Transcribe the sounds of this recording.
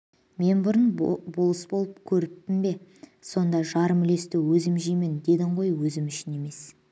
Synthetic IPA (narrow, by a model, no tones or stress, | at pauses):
me̞nbʊɾənbolˠəsbo̞lˠəp̚kʲʰɵɾɪp̚t̪ɪmbe̞so̞nd̪ɑʒɑɾəmɪle̞st̪ɪwɵzɪmʒijmɪnd̪e̞d̪ɪɴʁo̞jwɵzɪmʏʃɪne̞me̞s